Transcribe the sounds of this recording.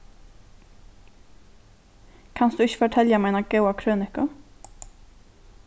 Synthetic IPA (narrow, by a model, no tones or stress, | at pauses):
kʰansd̪ʉɪçə̥fɔʈʰɛljamajnaɡawakʰɾøːnɪkʊ